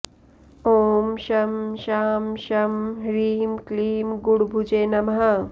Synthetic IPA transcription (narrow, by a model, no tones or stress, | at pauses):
oːmʃɐmʃaːmʃɐmɾiːmkliːmɡuɽbʱud͡ʒeːnɐmɦa